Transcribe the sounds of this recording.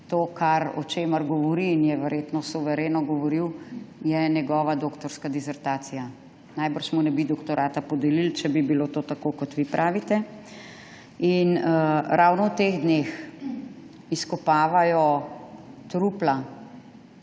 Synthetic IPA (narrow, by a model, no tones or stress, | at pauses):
t̪oːkʰaɾɔ̰t͡ʃeːmɐɾɡɔʋɔɾiːnjɛʋɛɾjet̪nɔsuʋɛɾeːnɔɡɔʋɔɾiwjɛnjɛɡɔːʋad̪oːkt̪ɔɾskad̪isɛɾt̪aːt̪sija | najbəɾʃmɔnɛbid̪ɔkt̪ɔɾaːt̪apɔd̪ɛlilt͡ʃɛbibilot̪oːt̪akoːkɔt̪ʋipɾʔaːʋit̪ɛ | inɾʔawnɔwt̪eɣd̪nex | iskɔpaːʋajɔ | t̪ɾupla